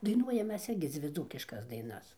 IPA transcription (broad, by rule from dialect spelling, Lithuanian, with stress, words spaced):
dɐɪˈnuɔjɛm ˈmʲɛs ˈɪrʲɡʲɪ ˈd͡zʲʋʲɪ ˈd͡zuːkʲɪʃkɐs ˈdɐɪnɐs